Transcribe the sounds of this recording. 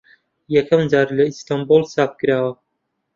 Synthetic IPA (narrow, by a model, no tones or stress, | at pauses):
jɛkʰɐmd͡ʒaːɾlɐist̪ambulˠsaːp̚kɨɾaːwɐ